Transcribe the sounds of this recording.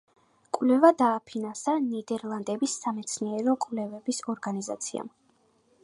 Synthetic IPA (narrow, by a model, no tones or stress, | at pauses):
kʼwlɛvad̪aːpʰinansanid̪ɛɾlˠand̪ɛbisːamɛt̪sʰniɛɾɔkʼwvlɛvɛbisɔɾɡaniza̰t̪sʰḭa̰m